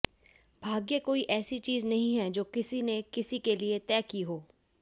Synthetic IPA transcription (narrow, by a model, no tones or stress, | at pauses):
bʱaːɡjekoːiʔɛːsit͡ʃiːznɐɦĩɦɛd͡ʒoːkɪsinekɪsikeliet̪ɛːkiɦoː